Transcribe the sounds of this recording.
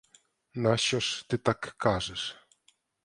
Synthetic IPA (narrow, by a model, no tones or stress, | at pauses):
naɕɔʂt̪ɨt̪akːaʐɛʂ